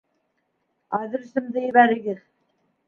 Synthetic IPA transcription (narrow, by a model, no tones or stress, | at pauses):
ɑðɘ̆ɾɵ̆sɘ̆md̪ɘjɘ̆βæɾɘ̆ɡɘð